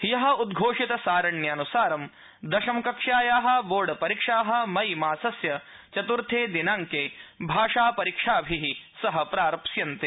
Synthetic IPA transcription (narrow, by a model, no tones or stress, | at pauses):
hjɐɦɐ̆ud̪ɡʱoːʂit̪ɐsaːɾɐɳjɐːnusaːɾɐm | d̪ɐʃɐmkɐkʂaːjaːɦɐ̆boːɾɖɐpɐɾikʂaːɦɐ̆mɐjmaːsɐsjɐ | t͡ʃɐt̪uɾt̪ʰeːd̪inaːŋkeːbʱaːʂaːpɐɾikʂaːbʱiɦisɐɦɐ̆pɾaːɾɐpʃjɐnt̪eː